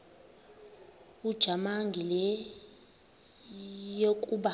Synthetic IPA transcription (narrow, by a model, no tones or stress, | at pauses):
ud̥ʒ̥ʱamaŋɡʱilɛ | jokʼuɓa